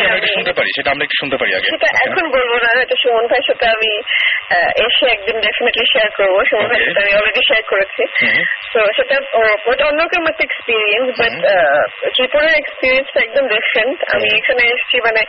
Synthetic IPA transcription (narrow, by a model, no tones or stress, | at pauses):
aemiʃunt̪epaɾḭʃeʈaamɾaekʈu̥ʃunt̪epaɾḭa̰ɡḛʃeʈaʔʔɛkʰonbolbonaɔjʈaʃomonbʱajʃetaamḭ | ʔeʃeɛk̚d̪inɖefineʈliʃeaɾkoɾboʃumonbʱajʃoteamiɔleɖiʃeaɾkoɾet͡ɕʰisoʃeʈaojʈaonːokoɾmot̪ːeekspiɾiensbɐʈ | tiponeɾekspiɾiensfɛk̚d̪omɖifɾeɳʈa̰miekʰaneeʃt͡ɕʰimane